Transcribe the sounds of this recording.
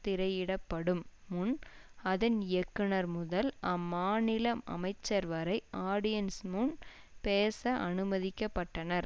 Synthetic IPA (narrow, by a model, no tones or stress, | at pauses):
t̪ɪɾɐɪjɪɽɐpːɐɽɯmːʊnɐðɐnjɛkːɯnɐɾmʊðɐlɐmːaːnɪlɐmɐ̰mɐɪt͡ʃːɐɾʋɐɾɐɪʔaːɽɪjɐnsmʊn | peːsɐʔɐnɯmɐðɪkːɐpːɐʈːɐnɐɾ